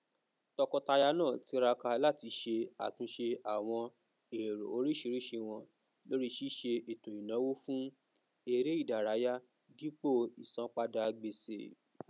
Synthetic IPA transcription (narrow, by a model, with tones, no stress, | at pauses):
tɔ˧kɔ˧ta˧ja˧˦nãː˦˨ti˧˦ɾa˧ka˧la˦˨ti˧ʃe˧a̰˨tũ˧˦ʃe˧a˨w̃ɔ̃˧ | e˨ɾo̰˨o˧ɾi˦ʃi˨˧˦ɾi˦ʃe˧w̃ɔ̃˧ | lo˦ɾi˦ʃi˦ʃe˧e˨to˨i˨nã˨˦wo˦fũ˦ | e˧ɾe˦i˦˨da˨ɾa˨˦ja˦ | di˦k͡po˦˨i˨sã˨˦k͡pa˦da˧ɡ͡be˧sḛ˨